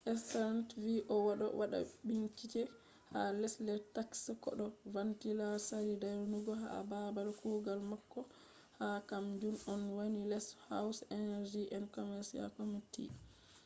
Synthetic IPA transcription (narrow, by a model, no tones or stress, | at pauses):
ʔɛstaɾantviʔɔwaɗɔ̰waɗa̰biŋkit͡ʃɛ | halɛslɛɾtakskɔ̰ɗɔvantilaɾsaɾidaɾnuɡɔɦa̰babalkuɡalmakːɔ | hakamd͡ʒunɔnwanilɛshawsɛnɛɾd͡ʒiʔɛnkɔmɛɾsia̰komitḭ